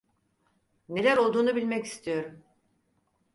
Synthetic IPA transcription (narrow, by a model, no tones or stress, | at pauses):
ne̞lʲæɾo̞lˠd̪uːnubilʲmɛci̥st̪ʰijo̞ɾum